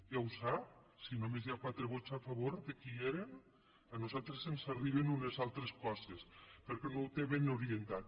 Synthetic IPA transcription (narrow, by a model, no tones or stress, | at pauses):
jawsap | sinomezjakwat̪ɾeβot͡safaβoɾðekieɾen | anuzalˠt̪ɾesensariβ̞enunezalˠt̪ɾeskɔsespeɾkɛnowt̪eβenuɾient̪at̪̚